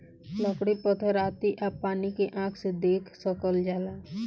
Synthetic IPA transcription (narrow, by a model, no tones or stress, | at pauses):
ləkɽipət̪ʰəɾaːt̪iʔapaːnikeʔãːkʰsed̪eːkʰsəkəld͡ʒaːlaː